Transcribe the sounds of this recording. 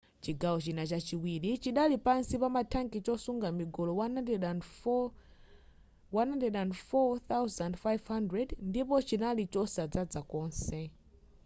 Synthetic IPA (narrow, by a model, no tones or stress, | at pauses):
t͡ʃiɡawɔt͡ʃinat͡ʃat͡ʃiwilit͡ʃiɗalipansipamatʰaŋkit͡ʃɔsuŋɡamiɡɔlɔwanɛ | wanhandɛɗandfɔθawzandfajvhandɹɛdndipɔt͡ʃinalit͡ʃɔsad͡zad͡zakɔːnsɛ